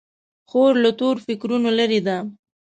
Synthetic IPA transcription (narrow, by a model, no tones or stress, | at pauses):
xoɾlat̪oɾfɪkɾunolaɾid̪a